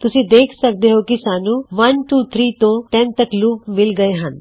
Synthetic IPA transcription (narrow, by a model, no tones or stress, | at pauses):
t̪ʊsĩd̪eːkʰsɐk̚d̪eɦokisaːnũʋɐnʈuːt̪ʰɾiːt̪õʈɛ̃nt̪əkluːmɪlɡɐeɦə̃n